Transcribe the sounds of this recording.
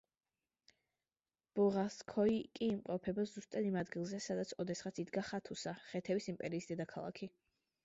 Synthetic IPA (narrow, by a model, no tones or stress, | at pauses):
b̥ɔʁaskʰɔikʼiːmqʼɔpʰɛbazust̪ʼad̪imad̪ɡilˠzɛsad̪at̪sʰɔd̪ɛsχat̪sʰid̪ɡaχat̪ʰusaχɛt̪ʰɛvisimpʼɛɾiːsd̪ɛd̪akʰalˠa̰kʰi